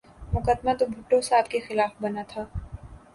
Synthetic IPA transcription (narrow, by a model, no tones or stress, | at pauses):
mʊkəd̪mat̪obʱʊʈːosaːbkexɪlaːfbɐnat̪ʰaː